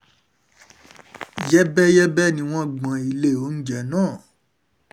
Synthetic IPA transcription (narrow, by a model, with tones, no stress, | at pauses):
jɛ˦bɛ˦jɛ˦bɛ˦nĩ˧w̃ɔ̃˦˨ɡ͡bã˨i˨le˦˨o˨˦n̩˦d͡ʒɛ˨nãː˦˨